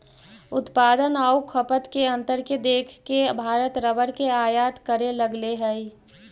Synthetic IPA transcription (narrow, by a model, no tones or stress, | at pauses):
ʊt̪paːd̪ənaːukʰəpət̪keə̃nt̪əɾked̪eːkʰkebʱaːɾət̪ɾəbəɾkeaːjat̪kəɾeləɡleɦɛi